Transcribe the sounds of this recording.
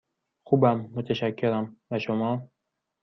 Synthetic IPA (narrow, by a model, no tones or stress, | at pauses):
xuːbæmːot̪ʰeʃækʰːeɾæmbæʃomɒː